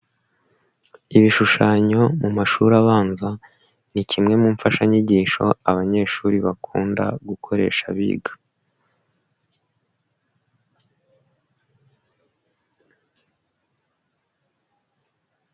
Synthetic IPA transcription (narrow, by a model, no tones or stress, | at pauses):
iβiʃuʃaːɲo̞mumaʃuɾaβaːnza | nicʰimŋe̞muːɱfaʃaɲiɟiːʃo̞̰aβaɲe̞ːʃuːɾiβakʰṵːnda̰ɡukʰo̞ɾe̞̰ːʃa̰βḭːɡa